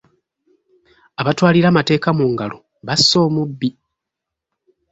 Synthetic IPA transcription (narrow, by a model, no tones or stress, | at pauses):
aβatwaːliɾamate̞ːkamuŋɡalo | βasːo̞ːmubːi